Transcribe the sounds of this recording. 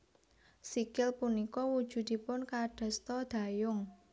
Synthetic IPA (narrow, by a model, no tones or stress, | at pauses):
sikɪlpunikɔwud̥ʒ̥ṳd̪̥i̤pʊnkaɖ̥a̤st̪ɔd̪̥a̤jʊŋ